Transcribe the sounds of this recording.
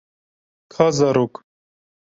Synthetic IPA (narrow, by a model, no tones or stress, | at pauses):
kʰazɐɾuk